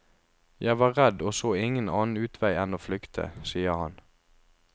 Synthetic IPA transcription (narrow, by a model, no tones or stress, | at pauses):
jæɪʋɑːʁɛd̪oːsoːɪŋənɑːn̩ʉːt̪ʰʋæɪɛnoːflʏkt̪ʰə̰siːəhɑ̰n